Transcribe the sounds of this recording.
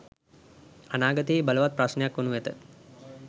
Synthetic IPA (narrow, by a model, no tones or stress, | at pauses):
ɐnaːɡət̪iːbɐləʋat̪̚pɾasnjakːʋɐnuʋet̪ə